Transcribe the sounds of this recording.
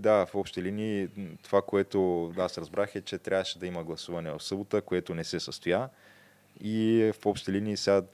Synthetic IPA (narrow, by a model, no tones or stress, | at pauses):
d̪afɔpʃt̪t̪ɛliniːt̪ovakoɛt̪oasɾɐzbɾʔaxɛt͡ʃɛt̪ɾʲʔavəʃɛd̪ɐiməɡlˠɐsuvɐnɛvɐfsɤbot̪əkoɛt̪onɛsɛsəst̪oja | ifɔpʃt̪t̪ɛliniːsa